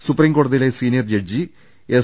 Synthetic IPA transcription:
supriːmko̞ːɽɐðile̞siːnijɐrd͡ʑeɖ̚d͡ʑi | e

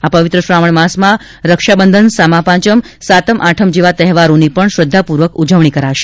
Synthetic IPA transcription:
apəʋɪt̪ɾəʃɾaməɳmasmã | ɾəkʃabənd̪ʱənsamãpãt͡ʃəm | sat̪əmʔaʈʰəmd͡ʒeʋat̪ɛɦʋaɾonipəɳʃɾəd̪ʱːapuɾʋəkud͡ʒəʋɳ̃ikəɾaʃe̥

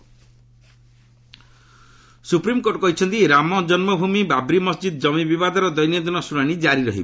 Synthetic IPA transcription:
supɾimkoɾʈɔkɔɦit͡ʃʰɔnt̪iɾamɔd͡ʒɔnmɔbʱumibabɾimɔsd͡ʒid̪ɔd͡ʒɔmibibad̪ʱɔɾɔd̪ɔjnjɔd̪ɔnɔsunaɽ̃id͡ʒaɾiɾɔɦibe

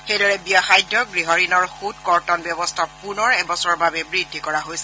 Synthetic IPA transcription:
xejdɔɹɛbijaxajdʱɔɡɹiɦɔɹinɔɹxutkɔɹtɔnbjɔbɔstʰapunɔɹɛbɔsɔɹbabɛbɹidʱːikɔɹaɦojsɛ

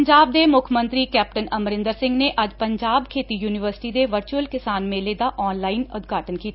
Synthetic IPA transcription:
ɲd͡ʒaːb̚d̪eːmʊkʰmə̃nt̪ɾiːkɛːp̚ʈənəmɾɪ̃nd̪əɾsɪ̃ŋɡneːʔəd͡ʒpəɲd͡ʒaːbkʰeːt̪iːjuːnɪʋəɾsɪ̥ʈiːd̪eːʋəɾt͡ʃuəlkɪsaːnmẽːleːd̪aːʔɔːnlaːiːnʊd̪ɡʱaːʈənkiːt̪aa

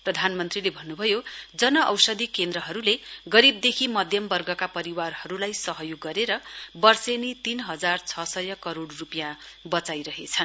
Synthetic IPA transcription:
prʌd̪ʱanmʌnt̪rilebʱʌnːubʱʌjod͡zʌnʌʔʌwsʌd̪ʱikend̪rʌɦʌɾuleɡʌɾib̚d̪ekʰimʌd̪ʱjʌmbʌrɡʌkapʌɾiwarhʌɾulajsʌɦʌjoɡːʌɾeɾʌbʌrsenit̪inɦʌd͡zart͡sʰʌsʌjʌkʌɾoɽrupjã | bʌt͡sajɾʌɦet͡sʰʌn

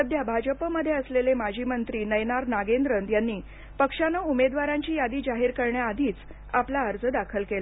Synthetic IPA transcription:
əd̪ʱjabʱad͡ʑəpəməd̪ʱːjeəslelemad͡ʑʱiːmənt̪ɾiːnəjnaɾnaɡend̪ɾənt̪janːiː | pəkʂanəumed̪ʋaɾãɲt͡ɕiːjad̪iːd͡ʑaɦiːɾkəɾɳjaːd̪ʱiːt͡s | aplaːɾd͡zəd̪akʰəlkel

